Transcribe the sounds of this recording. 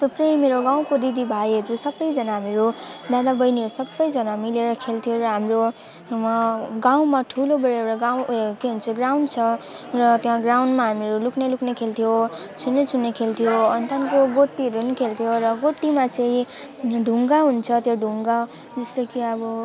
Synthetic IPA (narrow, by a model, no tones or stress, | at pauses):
t̪uprʌjmeɾoɡaw̃kod̪id̪ibʱajɦʌɾusʌbʌjd͡zʌnaɦamiɾud̪ad̪abʌjniʌɾusʌbːʌjd͡zʌnamileɾʌkʰelt̪ʰijoɾʌɦamro | ɡaw̃maʈʰulobʌɾeewʈaɡaw̃keɦunt͡sʰʌɡrawnɖt͡sʰʌ | rʌt̪jãɡrawnɖmaɦameɾulukʰnelukʰnekʰelt̪ʰijo | t͡sʰunːet͡sʰunːekʰelt̪ʰijoʌnt̪ankoɡoʈːiɦʌɾuʌnikʰelt̪ʰijoɾʌɡoʈːimat͡saĩ | ɖʱuŋɡaɦunt͡sʰʌt̪joɖʱuŋɡa | d͡zʌst̪ʌkiʌbʌ